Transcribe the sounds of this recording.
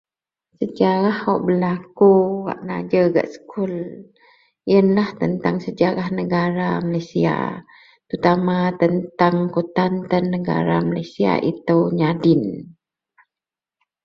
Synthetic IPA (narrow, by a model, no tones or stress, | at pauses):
səd͡ʒaɾahɔʔbəlakuwa̰ʔna̰d͡ʒəɡa̰ʔsə̥kʰul | jənlaht̪ənt̪aŋsəd͡ʒaɾahnəɡaɾamalasia̰ | t̪ut̪amat̪ənt̪aŋkut̪ant̪ənːəɡa̰ɾa̰malasia̰ʔit̪əwɲadɪn